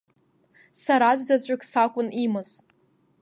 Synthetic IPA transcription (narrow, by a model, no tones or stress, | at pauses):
saɾazʷdat͡ɕʷʼakʰʼsakʷʼʊnimɨz̥